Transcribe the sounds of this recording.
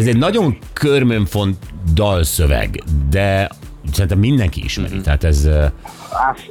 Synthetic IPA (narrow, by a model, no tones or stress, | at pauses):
ɛzɛɟnɒɟo̞ŋ | kʰørmøɱfont̪d̪ɒlsøvɛ̰ɡd̪ɛsɛɾint̪ɛmːind̪ɛŋkiḭʃmɛ̰ɾḭt̪ɛɦaːt̪ɛz